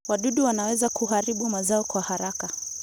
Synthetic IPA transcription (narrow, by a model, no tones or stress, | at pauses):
waɗuɗuwanawɛzakuɦaɾiɓumazaɔkwahaɾaka